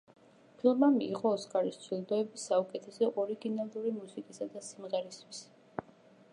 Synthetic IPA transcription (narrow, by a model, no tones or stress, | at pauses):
pʰlˠmamiːʁʼɔːskʼaɾist̪sʰwilˠd̪ɔɛbisːaukʼɛt̪ʰɛsɛʔɔɾiɡinalˠuɾimusikʼisad̪asimʁɛɾist̪ʰwis